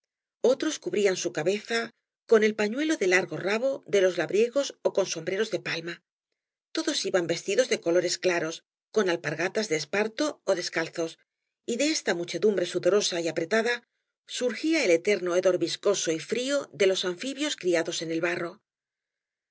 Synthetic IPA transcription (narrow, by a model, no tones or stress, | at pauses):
o̞t̪ɾo̞skuβɾiansukaβe̞θa | ko̞ne̞lpaɲwe̞lo̞ðe̞laɾɣo̞raβo̞ðe̞lo̞zlaβɾje̞ɣ̞o̞so̞ko̞nso̞mbɾe̞ɾo̞zðe̞palma | t̪o̞ðo̞siβambe̞st̪iðo̞zðe̞ko̞lo̞ɾe̞sklaɾo̞s | ko̞nalpaɾɣat̪azðeːspaɾt̪o̞ːðe̞skalθo̞s | iðe̞est̪amut͡ʃe̞ðumbɾe̞suðo̞ɾo̞saiapɾe̞t̪aða | suɾxiaele̞t̪e̞ɾno̞eðo̞ɾβisko̞so̞ifɾio̞ðe̞lo̞saɱfiβjo̞skɾiaðo̞se̞ne̞lβaro̞